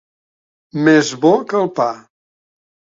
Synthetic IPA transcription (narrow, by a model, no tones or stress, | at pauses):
mezβɔkəlˠpa